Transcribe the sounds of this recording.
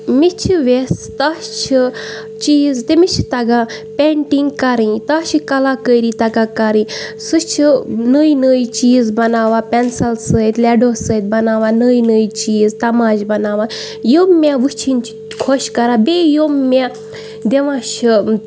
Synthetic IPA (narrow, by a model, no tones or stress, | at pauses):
mit͡ʃʰiʋest̪aːst͡ʃʰi | t͡ʃiːzt̪emit͡ʃʰit̪ɐɡã | pʲeɳʈiŋɡkɐɾĩt̪aːt͡ʃʰikɐlakəjɾit̪ɐɡakɐɾĩsɨt͡ʃʰinəjnəjt͡ʃiːzbɐnaːʋapʲɛnsɐlsət̪lɛɖoːsəːjt̪̚bɐnaːʋanəːjnəjt͡ʃiːzt̪ɐmaːd͡ʒbɐnaːʋa | jomːaʋɨt͡ʃʰinʲt͡ʃʰi̥ | kʰoʃkɐɾaːbejomːa | d̪eʋãːt͡ʃʰi